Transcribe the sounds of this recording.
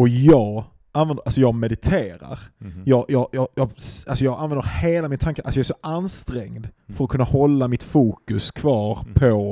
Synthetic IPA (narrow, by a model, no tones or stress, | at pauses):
ɔjɑːɡ | ʔanvɛnd̪əʔalsɔjɑːɡmɛd̪ɪt̪ʰeːɾa̰ɾjɑːɡjɑːjɑːjɑsalsɔjɑːɡanvɛnd̪əɾheːlamɪnat̪ʰaŋkəʔasɔjɑæʂɔʔanːst̪ɾɛŋd̪fœɾɔkʰɵnːahɔlːamɪt̪fuːkɵskʰvɑːɾpʰɔ